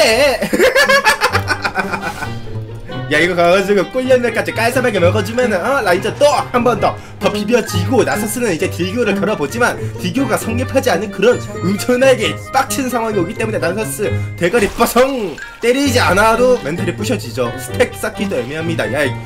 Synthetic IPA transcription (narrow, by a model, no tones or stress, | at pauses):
e | jaiɡʌkaɡad͡ʑiɡʌk͈oʎːʌnmʌɭk͈ad͡ʑik͈aɭs͈amaɡemʌɡʌd͡ʑumjʌnɯnʌnaind͡ʑʌt͈ohambʌndʌ | tʌpibjʌd͡ʑiɡonasʰʌs͈ɯnɯnid͡ʑe̞tiɡjoɾɯɭtʌɾʌbod͡ʑimantiɡjoɡasʰʌŋɡipʰad͡ʑianːɯnkɯɾʌnud͡ʑʰʌneɡep͈ak̚t͡ɕʰɯnsʰaŋɦwaŋioɡit͈e̞mune̞nasʰʌs͈ɯte̞ɡʌɾip͈ʌsʰʌŋ | t͈eɾid͡ʑianadomentʰɯɾip͈uɕʰʌd͡ʑid͡ʑosʰɯ̥tʰek̚s͈akʰid͈oemjiɦamɲida̰jai